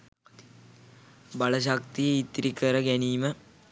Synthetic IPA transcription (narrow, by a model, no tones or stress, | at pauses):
balɐʃ̬akt̪ijeit̪ɾikəɾəɡæniːmə